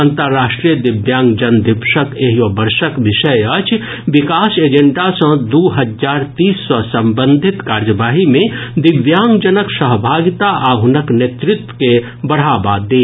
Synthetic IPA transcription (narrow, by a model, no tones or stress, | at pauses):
ə̃nt̪əɾːaːʃʈɾijəd̪ɪbjãːŋɡd͡ʒənd̪ɪpʃəkeɦijobəɾʃəkʋɪʃəjət͡ʃ | ʋɪkaːseːd͡ʒə̃ɳʈasə̃d̪uɦəd͡ʒaːɾt̪iːsːɔsə̃mbə̃nd̪ʱɪt̪kaːɾjəʋaːɦimẽd̪ɪʋjaːŋɡd͡ʒənəksəɦbʱaːɡɪt̪aʔaɦʊnəkneːt̪ɾɪt̪wə̥ke | bɐɽ̤aːbad̪eː